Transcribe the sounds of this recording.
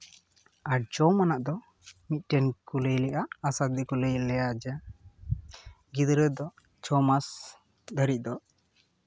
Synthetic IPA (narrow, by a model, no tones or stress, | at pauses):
ad͡ʒɔmanaʔd̪ɔ | mit̪̚ˀʈɛnkuləjlɛʔaʔːsat̪̚d̪ikuləjlɛjad͡ʒɛ | ɡid̪ɾəd̪ɔ | t͡ʃɔmas | d̪əɾit̪̚ˀd̪ɔ